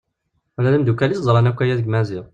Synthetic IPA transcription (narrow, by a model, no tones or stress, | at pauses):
ælæləmd̪ukːælisd̪ˤɾˤɑnækʷːæjæðəɡmæzɪʁˤ